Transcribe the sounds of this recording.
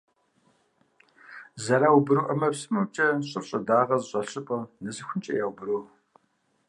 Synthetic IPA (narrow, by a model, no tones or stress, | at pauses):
zɐɾaːwbɨɾɨʔɐmɐpsɨmɨp̚t͡ʃʼɐɕʼɨrɕʼɐdaːʁɐzɕʷʼɐɬɨpʼɐnɨzɨxʷʊnt͡ʃʼɐ̰jaːwbɨɾuː